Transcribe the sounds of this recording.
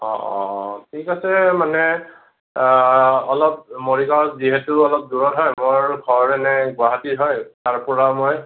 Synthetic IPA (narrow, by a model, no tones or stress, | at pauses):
ɔ̰̃tʰikasɛmanɛ | ɔlɔp̚moɹikaziɦetʊɔlɔp̚duɹɔtɦɔjmoɹɡʱɔɹɛnɛɡwaɦatiɦɔjtaɹpɔɹamoj